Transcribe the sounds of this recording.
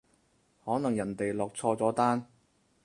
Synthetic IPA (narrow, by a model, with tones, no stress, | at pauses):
hɔː˨˥nɐ˨˩ŋjɐ˨˩nt̪e˨jlɔː˨k̚t͡sʰɔː˧t͡sɔː˨˥t̪aː˥n